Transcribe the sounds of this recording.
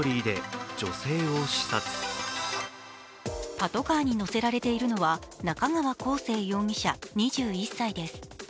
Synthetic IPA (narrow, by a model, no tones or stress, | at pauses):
ɾʲiːd̪e̞d͡ʑo̞se̞ːo̞ɕi̥sat͡sɨ̥ | pat̪o̞kaːɲ̟ino̞se̞ɾaɾe̞t̪e̞iɾɯ̟no̞βanakaŋaβako̞ːse̞ːjõ̞ŋʲiɕaɲ̟iʑɨːisːaid̪e̞sɨ̥